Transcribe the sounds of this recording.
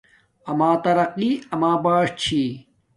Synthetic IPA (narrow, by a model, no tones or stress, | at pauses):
ɐmaːt̪ɐɾɐqiːɐmaːbaːʂt͡ɕʰi